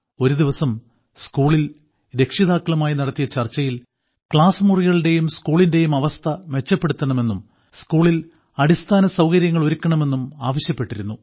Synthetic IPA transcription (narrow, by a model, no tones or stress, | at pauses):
o̞ɾud̪iʋɐsɐm | skuːɭil | ɾe̞kʂiðaːkːɐɭɐmaːjinɐɽɐt̪ːijɐt͡ɕɐrt͡ɕːɐjil | kɭaːsmuriɣɐɭɽe̞jumskuːɭinde̞jumɐʋɐst̪ʰɐʋe̞t͡ɕːɐpːe̞ɽut̪ːɐɳɐme̞nːum | skuːɭil | ɐɽist̪ʰaːnɐsɐwkɐɾjɐŋːɐɭo̞ɾukʲːɐɳɐme̞nːumaːʋɐɕjɐpːe̞ʈːiɾunːu